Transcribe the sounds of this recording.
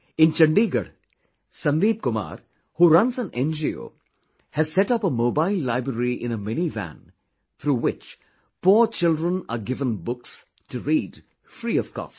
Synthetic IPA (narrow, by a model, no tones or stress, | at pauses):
ɪ̃nt͡ʃɐ̃ɳɖiːɡəɽ | sʌ̃nd̪iːb̚kʊma̰ːɾ | huɾãnsə̃nɛ̃nd͡ʒio̰ː | hæz̥sɛʈʌpəmoːbaɪlːaɪbɾəɾiʔɪ̃nəmɛnivæ̰̃n | t̪ʰɾuːwɪt͡ʃ | pɔːt͡ʃɪlɖɾə̃naɡɪvə̃nbʊks | tuɾiːɖ | fɾiːʌv̥kɔ̰ːst